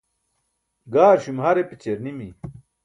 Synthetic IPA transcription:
ɡaːɾɕumhaɾepit͡ɕeɾnimi

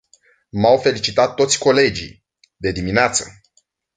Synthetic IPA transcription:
mawfe̞lit͡ʃit̪at̪ːo̞t̪sʲko̞le̞d͡ʒḭ | d̪e̞d̪imineat̪sə

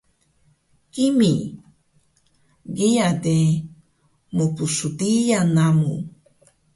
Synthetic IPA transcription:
kimi | ɡiad̪e | mupusut̪ijanamṵ

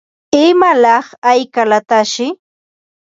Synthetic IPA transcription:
ɪmalɑχajkalat̪aʃɪ

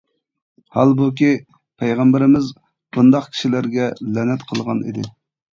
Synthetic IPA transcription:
hɑlˠbukʲi | pʰɛjʁæmbɪɾɪmɪz | b̥und̪ɑqkʲʰi̥ʃilæɾɡʲɛlɛnɛt̪qʰəlˠʁɑnḭd̪ɪ̰

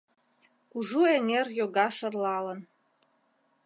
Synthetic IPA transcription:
kuʒueŋerjoɡɑʃərlɑlən

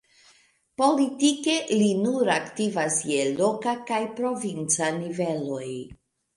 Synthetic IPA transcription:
po̞litike̞linuɾaktivasjelo̞kakajpɾo̞vint͡sanive̞lo̞j

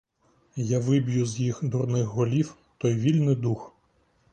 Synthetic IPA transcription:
jaʋɪbjuzjixd̪urnɪxɦɔlʲiw | t̪ɔjʋʲilʲnɪd̪ux

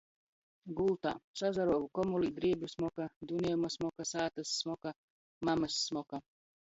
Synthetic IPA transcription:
ɡulˠt̪a̰ːsazaɾɔvukɔmulid̪ɾiɛbʲjusmɔkad̪unʲeumasmɔkasaːt̪asːmɔka | mamɨsːmɔka

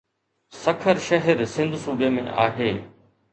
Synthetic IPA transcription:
sɐkʰəɾʃɐɦɛɾsɪ̃nd̪ʱsuːbemḛ̃ʔa̰ːɦeː

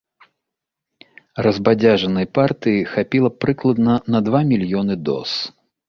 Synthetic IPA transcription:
rɐzbad͡zʲaʐɐnɐjpart̪ɨjixapʲilˠɐpɾɨklˠɐd̪nɐnɐd̪vamʲilʲjɔnɨd̪ɔ̰s

